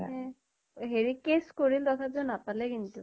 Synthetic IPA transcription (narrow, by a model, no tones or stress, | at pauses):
ɦɛ̃ | ɦeɹikeskoɹild̪ɔt̪ʰazɔnapalɛkint̪u